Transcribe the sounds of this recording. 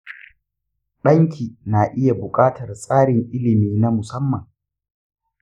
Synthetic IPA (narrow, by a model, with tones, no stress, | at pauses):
ɗɐ˦ŋkʲʰiː˨naː˨ʔɪ˦ja˨bʊ˨kʼaː˦tɐ˨rsʼaː˦ɽɪ˨ŋʔɪ˦lɪ˨miː˦na˦mʊ˨sɐ˦mːɐ˨ŋ